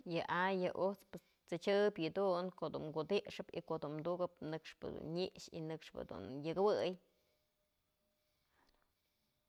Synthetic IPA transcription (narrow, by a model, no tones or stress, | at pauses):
jɨʔajɨʔut͡spɨs | t͡sɨt͡ʃɨbʲjɨd̪uʔnkoʔd̪uŋɡud̪iʔʂɨpḭkoʔd̪unmd̪uɡɨp̚nɨkʂpɨ̰d̪ṵnɲiʔʂḭnɨkʂpɨ̰d̪ṵnjɨkɨwɨj